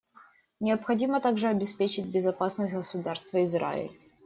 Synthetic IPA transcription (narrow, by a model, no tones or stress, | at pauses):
nʲɪəpxɐdʲimət̪aɡʐɨɐbʲɪspʲet͡ɕɪt̚ʲbʲɪzɐpasnəsʲtʲɡəsʊd̪arst̪vəɪzra̰ɪ̰lʲ